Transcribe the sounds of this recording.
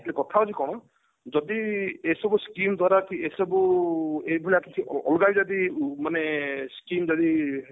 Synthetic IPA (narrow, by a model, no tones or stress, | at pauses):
lekɔt̪ʰaɔd͡ʒikɔɽ̃ɔ | d͡ʒɔd̪iesɔbuskimd̪waɾakiesɔbuebʱuliakit͡ʃʰiɔ̰lɔɡabd͡ʒad̪imaneskimd͡ʒɔd̪i